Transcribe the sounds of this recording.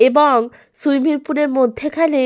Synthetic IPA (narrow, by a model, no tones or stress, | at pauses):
ebɔŋ | sujmiɾpuneɾmot̪ʰːekʰane